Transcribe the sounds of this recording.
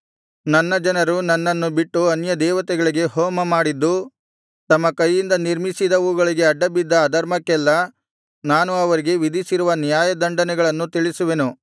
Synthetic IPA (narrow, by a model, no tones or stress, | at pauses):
nɐnːɐd͡ʒɐnɐɾunɐnːɐnːubiʈːuɐnjɐd̪ɛːʋɐt̪ɛɡɐɭiɡe̞ɦɔːmɐmaːɽid̪ːu | t̪ɐmːɐkɐjːind̪ɐniɾmisid̪ɐuːɡɐɭiɡe̞ɐɖːɐbid̪ːɐːd̪ɐɾmɐkːɛlːɐ | naːnuɐʋɐɾiɡe̞ʋid̪ʱisiɾuʋɐnijaːjɐd̪ɐɳɖɐnɛɡɐɭɐnːut̪iɭisuʋe̞nu